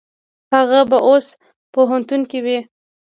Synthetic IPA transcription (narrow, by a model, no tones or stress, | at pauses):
haɣabaʔos | poɦant̪unkewi